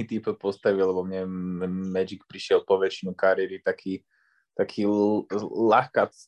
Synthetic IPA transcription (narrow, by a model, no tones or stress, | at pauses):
it̪ipɔpɔst̪aʋillːɛbɔmɲɛɛmɛd͡ʒik̚pɾiʃɪɛlpɔʋɛt͡ʃinukaɾɪɛɾit̪akʰiː | t̪akʰiː | laxkat͡s